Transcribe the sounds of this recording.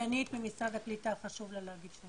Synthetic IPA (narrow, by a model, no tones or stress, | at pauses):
anit̪bemisɾad̪aklit̪aχaʃuvlalaɡit̪ʃla